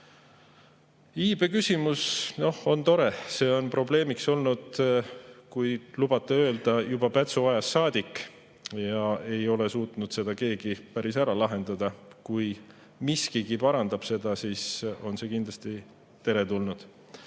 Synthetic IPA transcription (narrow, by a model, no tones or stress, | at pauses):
iːb̥e̞kysʲimusno̞ho̞nt̪o̞ɾe̞se̞ːo̞npro̞ble̞ːmikso̞lnud̪̥ | kujlub̥ɑt̪ːˑeø̞ːld̪̥ɑjubɑpæt̪suvɑjɑsːɑːd̪̥ʲikː | jɑe̞jo̞le̞suːt̪ˑnud̪̥se̞d̪̥ɑke̞ːɡ̥ipæɾisæɾɑlɑɦe̞nd̪̥ɑd̪̥ɑkuj | miskiɡipɑɾɑnd̪ɑb̥se̞d̪̥ɑsiːso̞nse̞ːkind̪lɑst̪i | t̪e̞ɾe̞t̪ulnud̪̥